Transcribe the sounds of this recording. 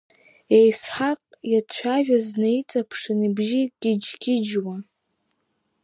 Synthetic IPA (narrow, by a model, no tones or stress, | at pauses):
ejsħaqʼjat͡ɕʷʰaʒᶣaznejt͡sʼapʰʂɨnibʒiɡʲɪd͡ʒɡʲɪd͡ʒwa